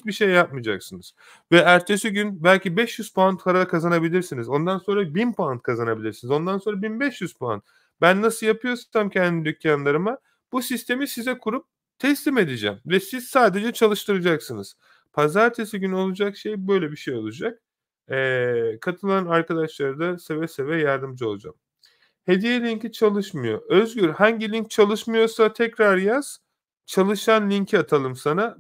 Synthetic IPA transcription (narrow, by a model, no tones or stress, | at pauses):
biʃe̞jːap̚mɯd͡ʒa̰ksɯnɯz̥ | vɛæɾt͡ʃʰesiɟynbælʲcibɛʃjyz̥pʰant̪ʰlaɾaakʰazanabilʲiɾsinizo̞nd̪anso̞nɾabinpʰant̪̚kʰazanabilʲiɾsinizo̞nd̪anso̞nɾabinbɛʃjyz̥pa̰nt̪̚ | bænːasɯlˠjapʰɯjo̞su̥nt̪ʰamcʰɛnd̪id̪ycʰjanlˠaɾɯma | b̥usist̪ʰe̞misizɛkʰuɾup̚ | t̪ʰɛslʲime̞d̪id͡ʒɛ̰mvɛsiz̥saːd̪e̞d͡ʒɛt͡ʃʰalˠɯʃt̪ʰɯɾɯd͡ʒaksɯnɯz̥ | pʰazaɾt̪ʰesiɟyno̞lˠud͡ʒakʃe̞jbø̞jlʲɛbiʃe̞jo̞lˠud͡ʒak̚ː | kʰat̪ʰɯlˠanaɾkad̪aʃlˠaɾd̪asevɛsevɛjaɾd̪ɯmd͡ʒɯo̞lˠud͡ʒa̰m | he̞d̪ijelʲiɲcit͡ʃʰalˠɯʃmɯjo̞̰ʔøzɟyɾhaɲɟilʲiɲc̚t͡ʃʰalˠɯʃmɯjo̞sat̪ʰɛcɾaɾjaz̥ | t͡ʃʰalˠɯʃanlʲiɲcʰat̪ʰalˠɯmsana